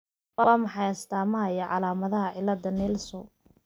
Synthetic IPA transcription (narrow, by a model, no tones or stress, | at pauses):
wɑwɑːmɑħɑjɐst̪ʰaːmɐɐjɐʕɑlaːmɐðɐɦɐʕɪlːɐd̪ɐnɛlsɔ̰